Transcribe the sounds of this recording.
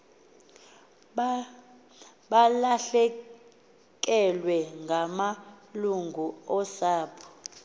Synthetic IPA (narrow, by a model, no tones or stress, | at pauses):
ɓalaɬɛ | k̬ʼɛlwɛŋɡʱamaluŋɡʱuɔsaːpʰɔ̥